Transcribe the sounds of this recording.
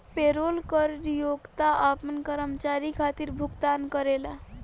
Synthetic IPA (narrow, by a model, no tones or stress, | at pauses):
peɾolkəɾɾjoɡt̪aʔapənkəɾəmt͡ʃaɾikʰat̪iɾbʱuɡt̪ankəɾela